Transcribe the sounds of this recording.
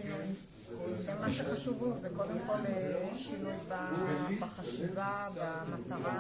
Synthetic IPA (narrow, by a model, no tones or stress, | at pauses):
emaʃeχaʃuvuzekod̪emko̞leiʃilujbabaχaʃivabamat̪aʁa